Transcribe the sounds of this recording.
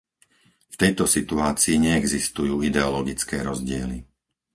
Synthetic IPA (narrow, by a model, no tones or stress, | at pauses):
ft̪ɛjt̪ɔsit̪uaːt͡siːɲɛɛɡzist̪ujuːid̪ɛɔlɔɡit͡skɛːɾɔzɟɪɛli